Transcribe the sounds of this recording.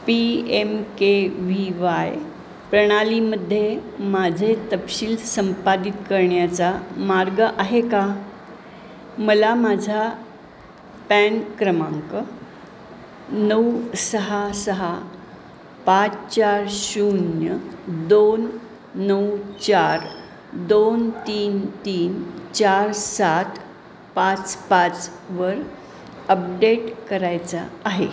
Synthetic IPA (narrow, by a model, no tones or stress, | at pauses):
piemkeʋiʋaj | pɾəɽ̃aliməd̪ʱːjemad͡zʱet̪əpɕiːlsəmpad̪it̪kəɾɳjat͡samaɾɡəʔaɦeka | məlamad͡zʱa | pænkɾəmaŋkə | nəwsəɦasəɦa | pat͡st͡ɕaɾɕunjəd̪onː | əwt͡ɕaɾ | d̪ont̪iːnt̪iːnt͡ɕaɾsat̪ʰ | pat͡spat͡sʋəɾ | əp̚ɖeʈkəɾajt͡sa̰ːɦe